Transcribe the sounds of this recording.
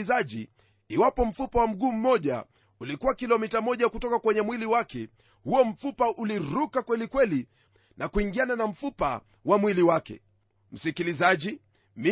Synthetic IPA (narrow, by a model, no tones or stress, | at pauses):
zaʄiː | wapɔm̩fupawam̩ɠuːm̩mɔʄa̰ | ulikuwakilɔmitamɔʄakutɔkakwɛɲɛmwiliwakɛ | huɔm̩fupaʔuliɾukakwɛlikwɛli | nʔakuiŋɡiananam̩fupa̰ | wamwiliwakɛ̰ | m̩sikilizaʄi | mi